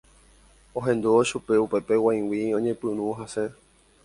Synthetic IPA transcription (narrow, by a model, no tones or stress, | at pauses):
õɦẽ̞nd̪uoʃupe̞upe̞pe̞waj̃wiõ̞ɲẽpɨnũɦase